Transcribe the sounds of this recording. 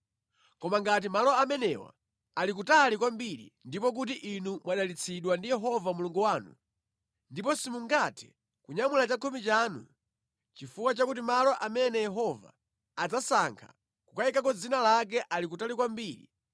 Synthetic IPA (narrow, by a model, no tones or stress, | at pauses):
kɔmaŋɡat̬imalɔamɛnɛwa̰ | alik̬utalikwambiɾḭndipɔk̬ut̬iʔinumwaɗalit͡sʰiɗwandijɛɦɔvamuluŋɡuwaːnṵ | ndipɔsimuŋɡatʰɛ̥ | kuɲamulat͡ʃakʰumit͡ʃaːnṵ | t͡ʃifukwat͡ʃakut̬imalɔʔamɛnɛjɛɦɔva̰ː | d͡zasaŋkʰḁ̰ | kukaikak̬ɔd͡zinalak̬ɛʔalik̬utalikwambiːɾḭ